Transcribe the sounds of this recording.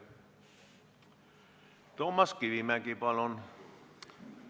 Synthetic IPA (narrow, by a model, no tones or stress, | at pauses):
t̪omːɑskiʋimækipɑlon